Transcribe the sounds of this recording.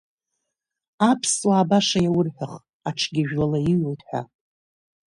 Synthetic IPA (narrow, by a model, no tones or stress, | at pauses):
apʰswaːbaʂajawʊrħʷᶣaχ | aʈ͡ʂʰɡʲɪʒᶣlalaiɥatʰʼħʷa̰